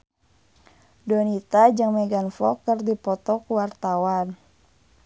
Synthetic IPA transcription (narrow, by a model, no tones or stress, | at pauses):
dɔnit̪ad͡ʒɨŋmɛɡanfɔ̰kərdipɔt̪ɔkuwart̪awan